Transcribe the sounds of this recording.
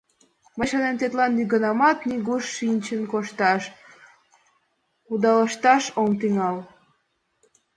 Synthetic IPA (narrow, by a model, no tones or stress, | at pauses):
məjʃɑnemt̪et̪lɑnːyɣənɑmɑt̪niɣuʃːinʲt͡ɕənkoʃt̪ɑʃ | ud̪ɑləʃt̪ɑʃomt̪yŋɑl